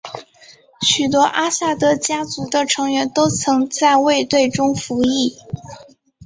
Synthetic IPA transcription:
ɕy˨˩t̪wɔ˥ʔa˥ɕa˥˩t̪ɤ˧˥t͡ɕja˥t͡su˧˥d̪ə˧ʈ͡ʂʰɤ˧˥ŋɥɛ˧˥nt̪o˥ʊt͡sʰɤ˧˥ŋt͡sa˥˧ɪwe˥˧ɪt̪we˥˩ɪʈ͡ʂʊ˥ŋfu˧˥i˥˩

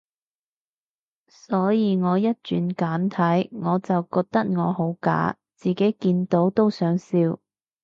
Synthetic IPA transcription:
sɔː˨˥jiː˨˧ŋɔː˨˧jɐ˥t̚t͡ʃyː˨˧nkaː˨˥nt̪ʰɐ˨˥jŋɔː˨˧t͡sɐ˨wkɔː˧k̚t̪ɐ˥k̚ŋɔː˨˧ho˨˥wka̰ː˨˥ | t͡siː˨ke˨˥jkiː˧nt̪o˨˥wt̪o˥wsœː˨˥ŋsiː˧w

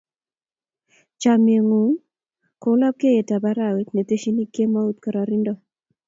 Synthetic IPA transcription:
t͡ʃa˨mie˨ŋu˨˦ŋ | ko˨˦la˦p̚ke˦je˨ta˨ba˦ɾa˦˨we˨˦t̪ne˨t̪e˦ʃi˦ni˦ke˦ma˦u˦t̪̚ka˨ɾa˨ɾɪ˦ndɔ˦

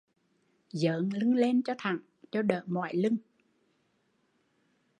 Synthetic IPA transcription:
zəː˨˦ŋlɨ˧ŋle˧nt͡ɕɔ˧t̪ʰa̰˨˩ŋ | t͡ɕɔ˧ɗəː˧˨˩mɔ̰˧˨jlɨ˧ŋ

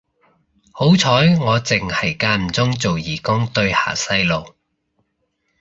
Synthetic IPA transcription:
ho˨˥wt͡sʰɔː˨˥jŋɔː˨˧t͡sɪ˨˩ŋhɐ˨˩jkaː˧m̩˨˩t͡sʊ˥ŋt͡so˨wjiː˨˩kʊ˥ŋt̪ɵ˧ɥha̰ː˨˩sɐ˧jlo˨w

